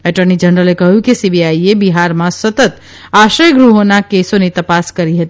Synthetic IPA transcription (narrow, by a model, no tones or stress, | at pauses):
eʈəɾnid͡ʒənɾəlekəɦukisibiaiebiɦaɾmãsət̪ət̪ | aʃəjɡɾuɦonakesonet̪əpaskəɾiɦət̪i